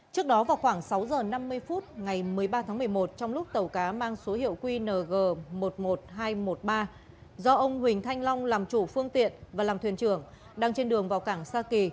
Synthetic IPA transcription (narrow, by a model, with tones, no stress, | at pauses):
t͡ɕɨ˦˥ək̚ɗɔ˨˦vaː˨˩wxwaː˧˩ŋsa˨˦wzəː˨˩na˧mːɨ˧əjfu˦˥t̚ŋa˨˩jmɨ˨˩əjɓaː˧t̪ʰaː˨˦ŋmɨ˨˩əjmo˨˩t̚t͡ɕɔ˧wŋ͡mlʊ˦˥k͡p̚t̪ə˨˩wkaː˨˦maː˧ŋso˨˦hḭ˧˨əwkwi˧nəː˨˩ɣəː˨˩mo˨˩t̚mo˨˩t̚ɦaː˧jmo˨˩t̚ɓaː˧ | zɔ˧ʔə˧wŋ͡mhwï˨˩ŋ̟t̪ʰa˧jŋ̟lɔ˧wŋ͡mlaː˨˩mt͡ɕu˧˩fɨ˧əŋt̪ḭ˧˨ənvaː˨˩laː˨˩mt̪ʰwi˨˩ənt͡ɕɨ˧˩əŋ | ɗaː˧ŋt͡ɕe˧nɗɨ˨˩əŋvaː˨˩wkaː˧˩ŋsaː˧ki˨˩